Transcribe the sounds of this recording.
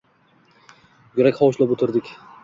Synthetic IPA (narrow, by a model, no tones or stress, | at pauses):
jeɾakʲχɒwʃlapɵt̪ʰɪɾd̪ɪkʲ